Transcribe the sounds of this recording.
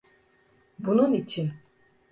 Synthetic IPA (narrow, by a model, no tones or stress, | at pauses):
bunumit͡ʃʰːin